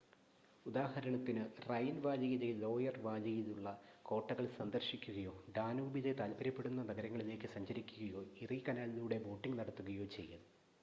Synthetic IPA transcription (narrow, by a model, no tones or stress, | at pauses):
ud̪aːhɐɾɐɳɐt̪ːinɨrɐjnʋaːd͡ʑɐjiðelo̞ːjɐrʋaːd͡ʑɐjiðuɭːɐko̞ːʈːɐɣɐɭsɐnd̪ɐrɕikʲːuɣɐjo̞ːɖaːnuːbiðet̪aːlbɐɾɐpːeɽunːɐnɐɣɐɾɐŋːɐɭile̞ːkːɨsɐɲd͡ʑɐɾikʲːuɣɐjo̞ːirikɐnaːliluːɽe̞bo̞ːʈːiŋɡnɐɽɐt̪ːuɣɐjo̞ːt͡ɕe̞̰jːɐðɨ